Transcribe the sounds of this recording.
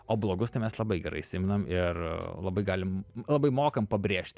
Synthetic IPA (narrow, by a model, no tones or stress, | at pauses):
oːblˠoːɡʊst̪ɐɪmʲɛslˠɐbɐɪɡʲɛɾɐ̰ɪsʲɪmʲɪnɐmɪrlˠɐbɐɪɡɑːlʲɪmlˠɐbɐɪmoːkɐmpɐbʲɾʲeːʃʲt̪ʲ